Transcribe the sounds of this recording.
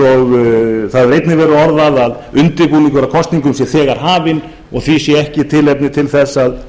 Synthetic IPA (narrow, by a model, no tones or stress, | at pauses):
ɔɣθaðrejt̪nɪvɛːɾʏɔɾðaðað | ʏnt̪ɪɾkuniŋkʰvɛɾakʰɔst̪niŋkʏmsjɛθɛːɣaɾ̥ɦaːvɪn | ɔɣθvisjɛɛhcɪt̪ʰɪlejpnɪt̪ʰɪlθɛsːað